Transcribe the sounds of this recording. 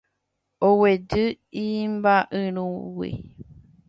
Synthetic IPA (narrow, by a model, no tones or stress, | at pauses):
owed͡ʒɨ | imbaʔɨɾ̃ũwḭ